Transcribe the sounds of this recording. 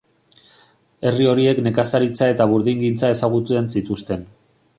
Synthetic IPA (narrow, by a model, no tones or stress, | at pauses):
e̞rio̞ɾie̞kne̞kasaɾit͡sae̞t̪aβ̞uɾðiŋɡint͡sae̞saɣ̞ut̪ue̞nsit̪ust̪e̞n